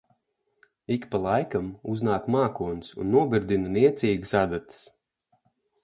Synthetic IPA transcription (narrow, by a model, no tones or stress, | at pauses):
ikpalˠajkamuznaːkmaːkuɔnsṵnːuɔbiɾd̪inɨnʲiɛt̪siːɡɨsad̪at̪ɨ̥s